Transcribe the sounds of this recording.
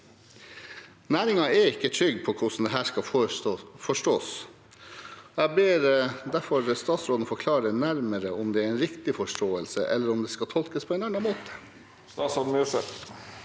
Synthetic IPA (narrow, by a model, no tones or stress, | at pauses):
næːɾɪŋɑɛɾɪkːət̪ʰɾʏɡpʰɔkʰʊsn̩d̪ɛɦæːʂkɑ | fɔʂʈoːs | ɔæbeːɾd̪æɾfɔɾst̪ɑːt̪sɾoːd̪n̩fɔɾkʰlɑːɾənæɾməɾəɔmd̪ɛæɾɛnɾɪkt̪ɪfɔʂʈoːəlsə̰ʔɛ̰lːəɾɔmd̪ɛskɑt̪ʰɔlkəspʰɔeːnɑɳɑmoːt̪ə̥ | st̪ɑːsɔnmysə̰t̪